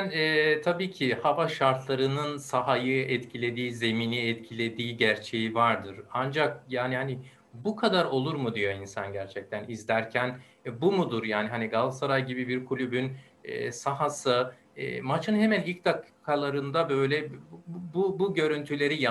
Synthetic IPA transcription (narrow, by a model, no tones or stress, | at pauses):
nɛːt̪ʰabiːcʰihavaʃaɾt̪ʰlˠaɾɯnɯnsaɦajɯɛt̪cʰilʲe̞d̪iːze̞miːniɛt̪cʰilʲe̞d̪iːɟæɾt͡ʃʰe̞jivaɾd̪ɯɾand͡ʒakjaːnihani | bukʰad̪aɾo̞lˠuɾmud̪ijo̞insanɟæɾt͡ʃʰɛc̚t̪ʰænizlʲæɾcʰæn | bumud̪uɾjaːniɦaniɡalˠsaɾajɟibibiɾkʰulʲybyn | ɛ̰ːsaɦasɯ | ɛ̰ːmat͡ʃʰɯnhe̞mænilʲc̚d̪akkʰːalˠaɾɯnd̪abø̞jlʲɛbubuɟø̞ɾynt̪ʰylʲe̞ɾija